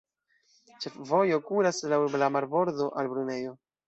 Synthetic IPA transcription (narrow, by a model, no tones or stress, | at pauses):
t͡ʃe̞fvo̞jo̞kuɾaslawlamaɾbo̞ɾdo̞ʔalbɾune̞jo̞